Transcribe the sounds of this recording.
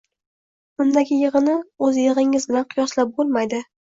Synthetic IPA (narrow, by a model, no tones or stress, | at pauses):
bʊnd̪aɡʲɪjɨʁɨnɪɵzjɪʁɪŋɪzbɪlanqʰʊjɒslap̚bolˠmajd̪ɪ